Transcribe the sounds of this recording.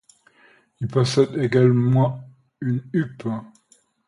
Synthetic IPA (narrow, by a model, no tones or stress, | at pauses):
ilpɔsɛd̪eɡalmɑ̃ | ynyp